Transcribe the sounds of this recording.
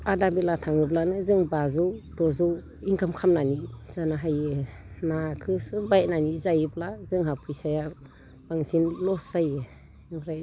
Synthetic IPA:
adabilatʰaŋɯblanɯzɯŋbazɔwdɔzɔw | iŋkʰamkʰamnaniz̥anaɦajɯnakʰɯsubajnanizajɯblazɯŋɦapʰujsaja | b̥aŋsinlɔsajɯ | nɔɾaj

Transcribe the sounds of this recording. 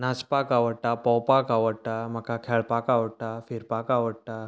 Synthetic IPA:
naspakaʋəɽʈapəwpakaʋəɽʈam̤əkakʰeɭpakaʋəɽʈafiɾpakaʋəɽʈa

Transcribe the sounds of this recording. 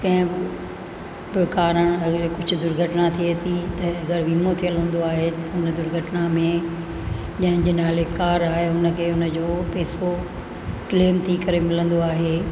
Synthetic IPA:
kɐ̃ɦɪ̃bɪ | bɪkaːɾəɽ̃ɐɡəɾkʊd͡ʑʱʊ̆d̪ʊɾɡʱəʈnat̪ʰiet̪ʰit̪ɐɐɡəɾʋiːmot̪ʰijəlɦũːn̆d̪oaːɦet̪ɐɦʊnəd̪ʊɾɡʱəʈnamẽ | ʄɐ̃ɦɪnd͡ʑeːnaːlekaːɾaːɦeɦʊnəkʰeːʊnəd͡ʑoːpɛːso | kleːmt̪ʰikɐɾemɪlə̃nd̪oaːɦeː

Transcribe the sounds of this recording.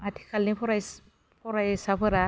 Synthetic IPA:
atʰi̥kʰalnipʰɔɾaj | pʰɔɾajsapʰɯɾa

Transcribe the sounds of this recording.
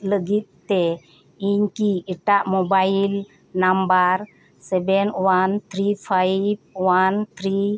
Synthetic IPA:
ləɡit̪̚ːɛ | iɲkiiʈaʔmɔbail | nambaɾ | sɛbɛnwant̪ʰɾipʰajb̚want̪ʰɾi

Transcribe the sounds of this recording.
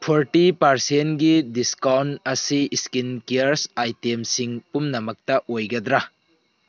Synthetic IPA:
pʰoɾʈipɐɾsentɡidiskawntɐsiːskinkeɾsajtemsiŋpumnɐmɐk̚tɐʔojɡɐd̪ɾa

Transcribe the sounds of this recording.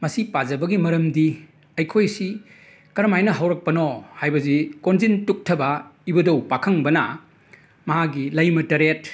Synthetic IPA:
mɐsipazɐbɐɡimɐɾɐmdi | ɐjkʰojsi | kɐɾɐmajnɐɦɐwɾɐk̚pɐnɔhajbɐzikonzintuk̚tʰɐbɐibɐdɐwpakʰɐŋbɐnɐ | mɐɦaɡilɐjmɐtɐɾet̚

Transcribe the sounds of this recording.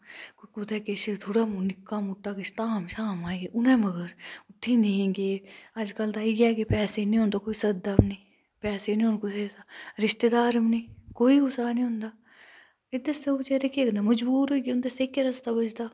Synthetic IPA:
kokʊt̪ʰekeʃet̪ʰoːɽamnɪkːaːmut̪aːkeʃt̪aːmʃaːmaːẽɡeʔʊnẽːmɐɡəɾʊt̪ʰːinẽɡeːɐd͡ʒkəlt̪aːiɡaːkepɛːsenĩɦõnd̪okoːisɐd̪amnĩː | pɛːsenĩːonkoseːsaːɾɪʃt̪ed̪aːɾɐmnĩːkoːiɡʊsaːnĩɦõːnd̪aː | ed̪eset͡ʃeɾekeːknamɐd͡ʒbuːɾɦoikiʊnd̪esekːeɾɐst̪abɐd͡ʒt̪aː

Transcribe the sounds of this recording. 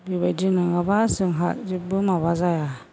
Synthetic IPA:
bibadinɯŋabasɯŋɦat̚d͡ʒibɯmabazaja

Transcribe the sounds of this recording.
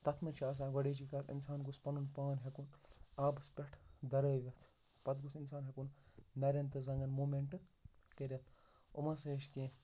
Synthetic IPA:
t̪ɐt̪ʰmɐt͡ʃʰaːs̬ãːɡɐɽeːd͡ʒiːkɐt̪ḭnsaːnɡuspɐnunpaːnɦekunaːbɐspʲɐʈʰd̪ɐɾəːʋʲɐt̪ʰ | pɐt̪ɡusinsaːnɦekunnɐɾʲɐnt̪ɨzɐŋɡɐnmuːmeɳʈɨkeɾʲɐt̪ʰ | ṵmɐseːʃkẽː

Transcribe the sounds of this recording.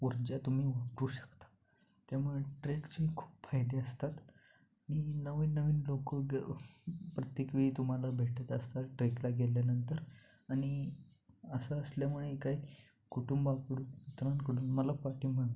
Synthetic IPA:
uɾd͡ʑjat̪um̤iːʋəkɾuːɕə̥kt̪ḁ | t̪jamuɭeʈɾekt͡ɕikʰu̥ːpfajd̪eəst̪at̪ | aɽ̃inəʋiːnːəʋiːnlokəɡ | pɾət̪jekʋiːt̪um̤alabʱeʈʰət̪əst̪aʈɾeklaɡeljanənt̪əɾ | aɽ̃i | əsaəsljam̤uɭekaj | kuʈumbakəɽunit̪ɾãnkəɽuːnməlapaʈiːm̤əɽt̪

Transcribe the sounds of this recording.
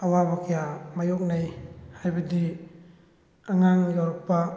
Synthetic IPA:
ɐwabakʰijamajɔk̚najhajbɐdi | aŋaŋɡawɾɔpːa

